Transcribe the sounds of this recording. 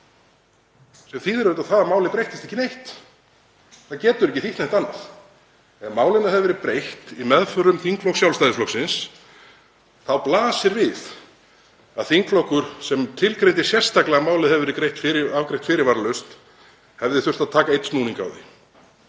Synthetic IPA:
sɛmθiðɛɾʏt̪aθaðamaːwlɪpɾejht̪ɪst̪ɛhçcːɪnejht̪ | θaðcɛːt̪ʏɾɛhc̬ɪθiht̪nejht̪anːaθ | ɛmaːwlɪnahɛvvɛɾɪpɾejht̪imɛðfœɾʏmθiŋklɔwksjawlst̪ajðɪsflɔwksɪns | θawplaːsɪɾvɪθ | aðθiŋklɔwhkʏɾ̥sɛmt̪ʰɪlkɾejnt̪ɪ̥sjɛr̥st̪aklaɣamaːwlɪðhɛvɛɾɪkɾejht̪fɪɾɪavkɾejht̪fɪːɾɪɾvaːɾlœst̪ | hɛvðɪθʏr̥t̪aðt̪ʰaːkaejt̪st̪uːniŋka̰wðɪ

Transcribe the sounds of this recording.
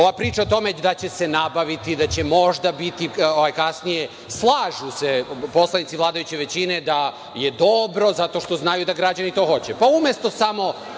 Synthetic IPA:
o̞ʋapɾiːt͡ʃaot̪o̞me̞d̪at͡ɕe̞se̞nabaʋit̪id̪at͡ɕe̞mo̞ʒd̪abit̪ioʋajkasnije | slˠaːʒusepo̞slˠanit̪siʋlˠaːd̪ajut͡ɕe̞ʋe̞t͡ɕined̪a | jed̪o̞bɾo̞zat̪o̞ʃt̪o̞znajud̪aɡɾad͡ʑanit̪o̞ːxo̞t͡ɕepaumjest̪o̞samo̞

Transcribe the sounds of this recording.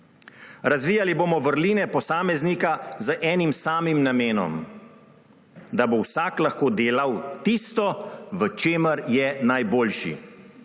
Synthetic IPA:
ɾazʋiːjaliboːmɔʋəɾliːnɛpɔsaːmɛznikazəʔɛːnimsaːmimnameːnɔ̰m | d̪abowsaːklaxkoːd̪eːlawt̪iːst̪ɔʋət͡ʃeːməɾjɛnajboːlʃḭ

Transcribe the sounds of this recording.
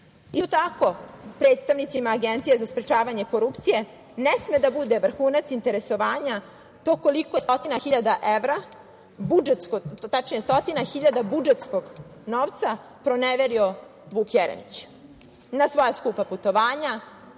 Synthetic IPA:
isot̪ako̞pɾeːt̪st̪aʋnit̪simaːɡent̪sijezaspɾet͡ʃaːʋaɲe̞ko̞ɾupt̪sije̞ | nesme̞d̪abud̪eʋr̩xuːnat̪sint̪e̞ɾe̞so̞ʋaːɲa | t̪o̞ko̞likost̪ot̪inaxiʎad̪aʔeʋɾa | bud͡ʒet̪skot̪at͡ʃɲest̪ot̪inaxiʎad̪abud͡ʒet̪skoɡnoʋt̪sa | pɾo̞neʋeɾio̞ʋuːkjeɾḛnḭt͡ɕ | nasʋo̞jaskupaput̪o̞ʋaːɲa

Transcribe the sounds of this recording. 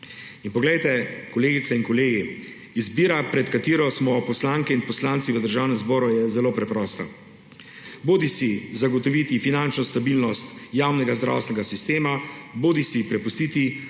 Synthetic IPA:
inpɔɡlɛjt̪ɛkɔleːɡit̪sainkɔleːɡi | izbiːɾapɾɛt̪kat̪iːɾɔsmɔpɔslaŋkɛinpɔslant̪siʋəd̪əɾʒaːwnɛmzbɔːɾujɛzɛloːpɾɛpɾɔːst̪a | boːd̪isizaɡɔt̪ɔʋit̪ifinant͡ʃnɔst̪abilnɔst̪jawnɛɡazd̪ɾa̰wst̪ɛnɛɡasist̪eːmaboːd̪isipɾɛpust̪iːt̪i

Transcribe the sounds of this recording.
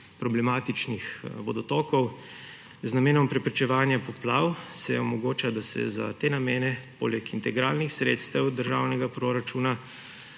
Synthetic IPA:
pɾɔblɛmaːt̪it͡ʃnixʋɔd̪ɔt̪ɔːkɔw | znameːnɔmpɾɛpɾit͡ʃɛʋaːnjapɔplaːwsɛɔmɔɡoːt͡ʃad̪asɛ̰za̰t̪eːnameːnɛpo̰lɛkint̪ɛɡɾaːlnixsɾḛːt̪st̪ɛwd̪əɾʒa̰ːwnɛɡapɾoɾat͡ʃuːna

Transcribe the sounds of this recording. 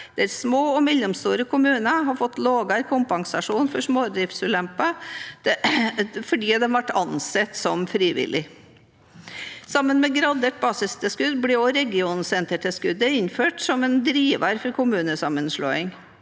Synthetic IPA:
d̪̥ɛɾsmoːɔmɛlːʊmst̪uːɾəkʰʊmʉːnəɦɑɾfɔt̪ːloːɡɑkʰʊmpɑŋsɑʂuːnfɔʂmoːd̪ɾɪfsʉːlɛmpə | fɔɖiːd̪ɛʋɑʈːɑnsɛt̪ːsɔmfɾiːʋɪ̰lɪ | sɑmːənmɛɡɾɑd̪eʈ̪̚bɑːsɪst̪əskʉd̪blɪɔɾɛɡɪuːnn̩sɛnt̪əʈʰɪskʉd̪ːəɪɲːføːʈsɔmɛnd̪ɾiːʋɑɾfɔɾkʰʊmʉːnəsɑmːənʂɭo̰ːɪŋ

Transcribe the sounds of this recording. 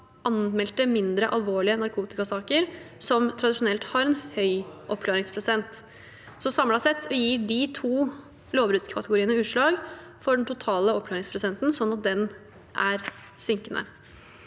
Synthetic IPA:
ʔɑnmɛlt̪əmɪnd̪ɾəʔɑlʋoːɭɪənɑɾkʰuːt̪ɪkɑsɑːkəɾsɔmt̪ʰɾɑd̪ɪʂʊnɛlt̪hɑɾɛnhœʏʔɔpkʰlɑːɾɪŋspʰɾʊsɛnt̪ | sɔsɑmlɑsɛt̪ʰːɔjiːɖit̪ʰuː | loːʋbɾʉːt̪skʰɑt̪əɡʊɾiːənəʉːʂɭɑːɡ | fɔɖɛnt̪ʰʊt̪ʰɑːləɔpklɑːɾɪŋspʰɾʊsɛnt̪nsɔnːɑt̪̚d̪ɛn | ʔæɾ | sʏŋkənʔə̰

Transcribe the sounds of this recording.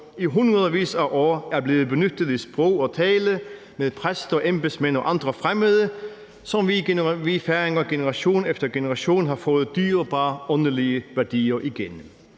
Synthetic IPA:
iɦunʁɐðˠɐʋḭːsæʔɔːæɐb̥le̝ːʋ̩ˠbenød̪̥əð̩ˠisb̥ʁɔʊ̰ɒ̽tʰɛːlə | meðˠpʰʁɛsd̥ɒʔemb̥lsmenɒʔɑ̈nd̥̪ʁəfʁɛməðˠə | sɒ̽mʋiʋifæɐeŋɐɡ̥enəʁɑɕo̝̰ːn̩efd̥ɐɡ̥enəʁɑɕo̝̰ːn̩ɦɑ̈fɔ̽ːð̩ˠd̥̪yːɐb̥ɑ̈ːɔ̽nəliəʋæɐd̥ḭːɐʔiɡ̥en

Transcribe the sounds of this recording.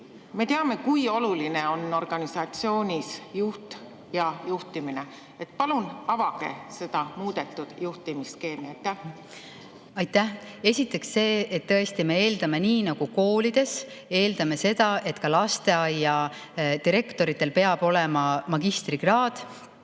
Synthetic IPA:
me̞t̪eɑme̞kujo̞lulineo̞nːo̞rɡ̥ɑnisɑt̪sio̞ːnʲisjuht̪ | jɑjuht̪imine | et̪pɑlunɑvɑɡ̥e̞̰se̞d̪̥ɑmuːd̪et̪ːˑud̪̥juht̪imiske̞ːmiɑjt̪ːæh | ɑjt̪ːæhe̞sʲit̪ːˑe̞ksːe̞ːet̪ːɤest̪ime̞e̞ːld̪ɑme̞niːnɑɡ̥uko̞ːlid̪̥e̞s | e̞ːld̪̥ɑme̞se̞d̪̥ɑʔe̞t̪ːkɑlɑst̪e̞ɑjːɑ | t̪iɾe̞kt̪o̞ɾit̪ːˑe̞lpe̞ɑb̥o̞lemɑmɑɡ̥ist̪riɡ̥rɑːd̪̥

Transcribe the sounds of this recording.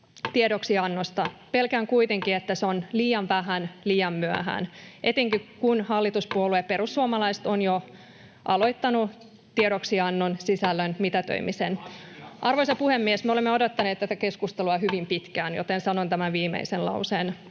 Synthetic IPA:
t̪iedoksiɑnːost̪ɑpelkæŋkuit̪eŋkiet̪ːæseonliːɑnʋæɦænliːɑmmyæɦæ̰nʔet̪eŋkikunhɑlːit̪uspuolueperusːuomɑlɑist̪onjo | ʔɑlo̞it̪ːɑnu | t̪ieɾoksiɑnːonsisælːønmit̪æt̪ø̰imisenʔɑrʋoisɑpuhemːiesmeolemːeodot̪ːɑneːt̪t̪æt̪æke̞skust̪eluɑhyʋimpit̪kæːnjo̰t̪ensɑnont̪æmænʋiːmḛiselɑ̰usen

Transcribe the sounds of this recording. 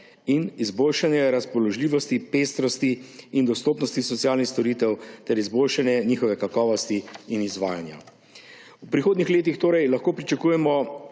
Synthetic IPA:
inizboːlʃanjɛɾaspɔlɔʒliːʋɔst̪ipest̪ɾɔst̪iːnd̪ɔst̪oːpnɔst̪isɔt̪sijaːlnixst̪ɔɾiːt̪ɛwt̪ɛɾizboːlʃanjɛniːxɔʋɛkakɔːʋɔst̪iːnizʋaːjanja̰ | upɾixoːd̪nixleːt̪ixt̪oːɾɛjlɐxkoːpɾit͡ʃakuːjɛmɔ

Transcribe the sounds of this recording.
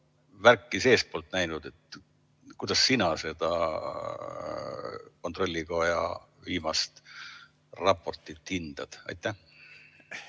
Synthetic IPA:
værkːise̞ːst̪̚po̞lt̪næjnud̪̥e̞t̪ | kujd̪̥ɑsːinɑse̞d̪̥ɑ̰ | ko̞nt̪ro̞lʲːiko̞jɑ̰ | viːmɑst̪ | rɑpːo̞rt̪ːˑit̪hind̪̥ɑd̪̥ɑ̰jt̪ːˑæh

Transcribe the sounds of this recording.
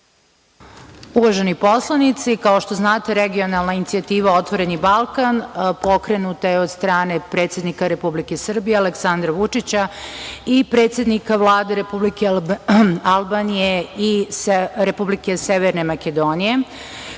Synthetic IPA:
uʋaʒenipo̞slˠanit̪sikao̞ʃt̪o̞znaːt̪eɾeɡio̞nalˠnainit̪siat̪iːʋao̞t̪ʋo̞ɾe̞nibalˠkanpo̞kɾe̞nut̪ajeo̞d̪st̪ɾaːne̞pɾe̞t̪sje̞d̪nikaɾe̞publike̞sr̩bijealeksand̪ɾaʋut͡ʂit͡ɕaipɾe̞ːt̪sje̞d̪nikaʋlˠaːd̪e̞ɾepublike | alˠbanije̞i | ɾepublike̞seʋeɾne̞maked̪o̞nije̞

